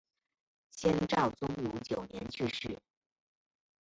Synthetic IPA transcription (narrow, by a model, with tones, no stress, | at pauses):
ɕjɛ˥nʈ͡ʂɑ˥˩ʊt͡sʊ˥ŋlu˧˥t͡ɕjo˨˩ʊnjɛ˧˥nt͡ɕʰy˥˧ʂɻ̩˥˩